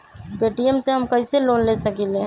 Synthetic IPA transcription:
peːʈijəmseɦɐmkɐiseloːnlesɐkilẽɦ

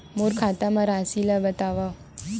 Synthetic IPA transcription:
moɾkʰat̪amaɾasilabət̪aʋa

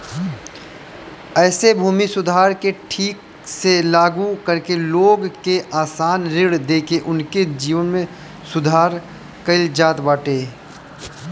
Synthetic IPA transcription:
ɛːsebʱuːmisʊd̪ʱaːɾkeʈʰiːk | selaːɡukəɾkeloːɡkeʔaːsaːnɾɪɽd̪eːkʰeʔʊnked͡ʒiːʋənmẽ | sʊd̪ʱaːɾ | kəɪld͡ʒaːt̪baːʈeː

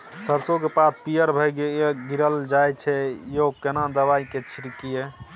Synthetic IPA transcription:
səɾsokepat̪̚ʰpijəɾbʱəjɡeɡiɾəld͡ʒajt͡ʃʰɛjokenad̪əβaiket͡ʃʰiɾikije

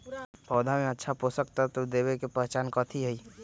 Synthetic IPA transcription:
pʰɔːd̪ʱamẽətːʃʰaposək̚t̪at̪od̪eːwekepəɦt͡ʃaːnkɔt̪ʰiɦəi

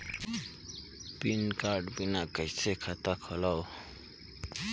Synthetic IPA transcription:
pinkaɾɖbinakʌjsʰekʰat̪akʰɔlaw

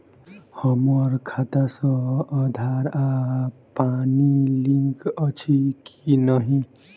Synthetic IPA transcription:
hʌmʌɾkʰat̪asʌ̃ːd̪ʱaɾapaniliŋkʌt͡ʃʰikinʌɦĩ

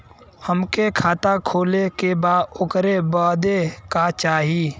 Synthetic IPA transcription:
həmkekʰaːt̪akʰoːlekebaːd̪ʊkɾebaːd̪ekat͡ʃaːɦiː

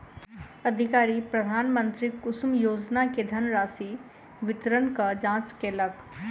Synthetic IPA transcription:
ɐd̪ʱikaːɾipɾɐd̪ʱaːnmə̃nt̪ɾikʊsmjoːd͡ʒnaked̪ʱɐnɾaːsi | ʋɪt̪ɾənkɐd͡ʒãːt͡ʃkelɐk

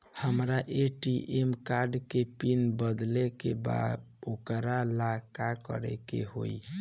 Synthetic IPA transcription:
həmɾaʔeʈiʔemkaɾɖkepinbəd̪lekeba̰d̪ | okɾalakakə̰ɾɛ̰kḛɦo̰i

